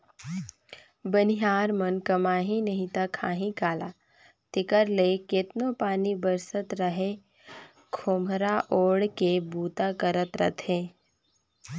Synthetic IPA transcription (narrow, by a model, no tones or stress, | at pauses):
bənɪɦaːɾmənkɐmaːɦinɐɦĩt̪akʰaːɦĩkaːlaː | t̪ɪkəɾleket̪nopaːnibəɾsət̪ɾəɦe | kʰoːmɾaʔoːɽkebuːt̪akəɾət̪ɾə̰t̪ɦẽː